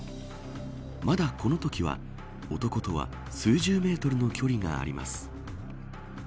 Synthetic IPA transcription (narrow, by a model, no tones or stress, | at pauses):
mad̪akʰo̞no̞t̪o̞kʲiβa̰ | o̞t̪o̞ko̞t̪o̞βa̰ | sɨːʑɨːme̞ːt̪o̞ɾɯ̟no̞kʲʰo̞ɾʲiŋa̰ːɾʲima̰sɨ̥